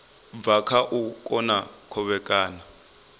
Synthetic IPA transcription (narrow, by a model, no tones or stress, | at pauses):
b̪vakʰaʔukʼɔnakʰɔɓɛk̬ʼaːna